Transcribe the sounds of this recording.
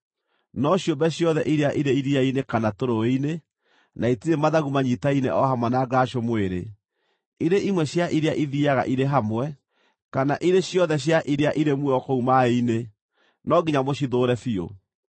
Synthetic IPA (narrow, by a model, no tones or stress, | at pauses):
nɔɕjombɛɕjɔðɛʔiɾeaʔiɾeiɾiainekanatoɾoine | naitiɾemaðaɣumaɲitainḛʔɔɦamwanaːɡaʃomoeɾḛ | iɾeʔimwɛɕjaʔiɾeaʔiðiaɣa̰ʔiɾeɦamwɛ | kanaʔiɾeɕjɔðɛɕ̬jaʔiɾeaʔiɾemwɔkoumaeine | nɔɡiɲamoɕiðoːɾɛfio̰